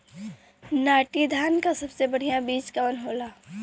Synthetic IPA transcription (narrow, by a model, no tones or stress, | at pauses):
naːʈid̪ʱaːnkasɐbsebɐɽ̤ijãbiːt͡ʃkaənɦoːlaː